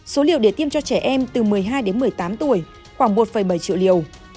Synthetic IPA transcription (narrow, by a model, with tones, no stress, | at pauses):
so˨˦li˧˩əwɗe˧˩t̪i˧əmt͡ɕɔ˧t͡ɕɛ˧˩ʔɛ˧mt̪ɨ˨˩mɨ˨˩əjɦaː˧jɗe˨˦nmɨ˨˩əjt̪aː˨˦mt̪u˧˩əj | xwaː˧˩ŋmo˨˩t̚fə˨˩jɓə˧˩jt͡ɕḭ˧˨wlḭ˧˨˩əw